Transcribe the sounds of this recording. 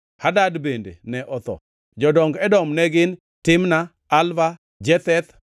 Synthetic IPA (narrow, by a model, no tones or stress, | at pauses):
hadadbendḛnɛʔɔt̪ɔ̰ | d͡ʒɔdɔŋɡɛdɔmnɛɡɪn | tɪmnaː | lva | d͡ʒɛt̪ɛt̪